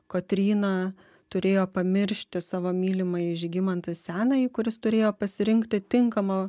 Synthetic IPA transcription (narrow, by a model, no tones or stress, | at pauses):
koːt̪ʲɾʲiːnɑ | t̪ʊɾʲeːjoːpɐmʲɪɾʲʃʲt̪ʲɪsɑːʋoːmʲiːlʲɪmɐjɪʒʲɡʲɪmɐnt̪ɐsʲæːnɐikʊɾʲɪst̪ʊɾʲeːjoːpɐsʲɪɾʲɪŋʲkt̪ʲɪt̪ʲɪŋkɐmɐ